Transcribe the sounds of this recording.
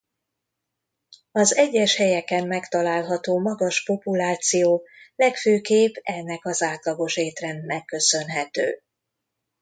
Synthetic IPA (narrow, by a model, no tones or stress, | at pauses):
ɒzɛɟːɛʃhɛjɛkɛmːɛkt̪ɒlaːlɦɒt̪oːmɒɡɒʃpo̞pulaːt̪sijoːlɛkføːkeːbɛnːɛkɒzaːt̪lɒɡo̞ʃeːt̪rɛnːɛkːø̞sø̞nɦɛt̪ø̰ː